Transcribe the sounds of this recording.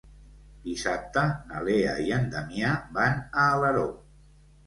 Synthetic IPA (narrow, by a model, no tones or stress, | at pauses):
d̪̥isap̚t̪ənəlea̰iənd̪əmjabanəːləɾo